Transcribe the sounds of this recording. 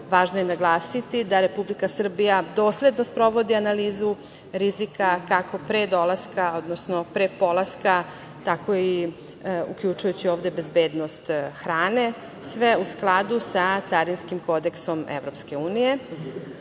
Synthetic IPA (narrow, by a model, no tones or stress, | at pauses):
ʋaːʒnojenaɡlˠaːsit̪id̪aɾe̞publikasr̩bijad̪o̞ːslʲe̞d̪no̞spɾo̞ʋod̪ianaliːzu | ɾizikakako̞pɾed̪o̞lˠaskao̞d̪nosnopɾepo̞lˠaska | t̪ako̞i | ṵkʎut͡ʃujut͡ɕioːvd̪e̞be̞zbe̞ːd̪nost̪xɾaːne | sʋeusklˠad̪usat̪saɾinskimko̞d̪e̞kso̞mḛʋɾo̞pske̞uːnije̞